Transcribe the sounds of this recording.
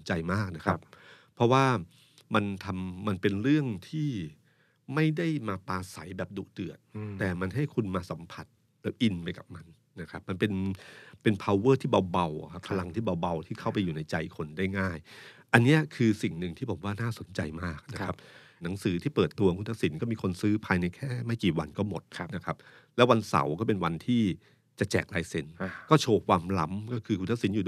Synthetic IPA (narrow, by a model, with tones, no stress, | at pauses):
nt͡ɕa˧jmaː˥˩k̚na˦˥kʰa˦pʰ | ɾɔ˦˥waː˥˩ | ma˧nt̪ʰa˧mːa˧npe˧nɾɯ˥˩əŋt̪ʰiː˥˩ | ma˥˩jda˥˩jmaː˧paː˧sa˩˦jbɛː˨˩p̚du˨˩dɯ˨˩ət̪̚t̪ɛː˨˩ma˧nɦa˥˩jkʰu˧nmaː˧sa˩˦mpʰa˨˩t̪̚ | lɛː˦˥wʔi˧npa˧jka˨˩p̚ma˧n | na˦˥kʰa˦˥p̚ma˧npe˧npe˧npʰa˧wːɤː˥˩t̪ʰiː˥˩ba˧wba˧wʔkʰa˦˥pʰa˧la˧ŋt̪ʰiː˥˩ba˧wba˧wt̪ʰiː˥˩kʰa˥˩wpa˧juː˨˩na˧jt͡ɕa˧jkʰo˧ndaː˥˩jŋaː˥˩jʔa˧nːi˦˥ɐkʰɯː˧si˨˩ŋnɯ˨˩ŋt̪ʰiː˥˩bɔː˨˩˦waː˥˩naː˥˩so˩˦nt͡ɕa̰˧jmaː˥˩k̚na˦˥kʰa˦˥p̚ | na˩˦ŋsɯː˩˦t̪ʰiː˥˩pɤː˨˩t̪ːu˧ɐkʰu˧nt̪a˦˥ksi˩˦nkɔː˥˩miː˧kʰo˧nsɯː˦˥pʰaː˧jna˧jkʰɛː˥˩ma˥˩jkiː˨˩wa˧nkɔː˥˩mo˨˩t̪̚ʰna˦˥kʰa˦˥p̚lɛ˦˥wa˧nsa̰˨˩˦wkɔː˥˩pe˧nwa˧nt̪ʰiː˥˩ | t͡ɕa˨˩t͡ɕɛ̰ː˨˩k̚laː˧jse˧˦nkɔː˥˩t͡ɕʰoː˧kʰwaː˧mla˦˥mkɔː˥˩kʰɯː˧kʰu˧nt̪ʰk̚si˩˦njuː˨d